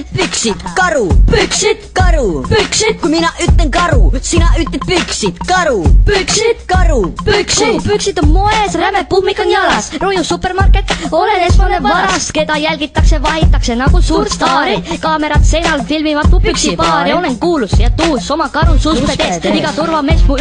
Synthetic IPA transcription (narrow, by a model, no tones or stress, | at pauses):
pyksit̪kɑɾupyksikɑɾupyksikuminɑʔyt̪leŋkɑɾusinɑʔyt̪ːe̥pyksit̪kɑɾupksikɑɾupyksiupyksit̪ːomo̞esræmepubmikːonɑlɑsrojusupːˑe̞rmɑrket̪ːolenesmɑnevɑɾɑske̞d̪ɑjælɡ̥it̪ːˑɑksevɑɦit̪ːˑɑkse̞nɑɡ̥usuːɾst̪ɑːɾikɑːme̞ɾɑt̪se̞jnɑlfilmivɑt̪ːupyksipɑːɾioneŋkuːlusjɑt̪uːso̞mɑkɑɾususesiɡɑt̪urvɑme̞ːsmu